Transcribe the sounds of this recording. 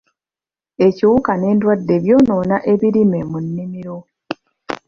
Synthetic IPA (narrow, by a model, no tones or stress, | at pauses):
e̞ciwukane̞ːndwadːe̞βjo̞ːno̞ːnaʔe̞βiɾime̞munːimiɾo̞